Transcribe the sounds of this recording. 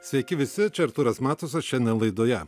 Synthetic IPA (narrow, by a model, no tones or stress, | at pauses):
sʲʋʲɛkʲɪʋʲɪsʲɪt͡ʃʲɛɾt̪ʊɾɐsmæːt̪os̬ʲɛʃʲɛnd̪ʲɛnlˠɐɪd̪oːjɛ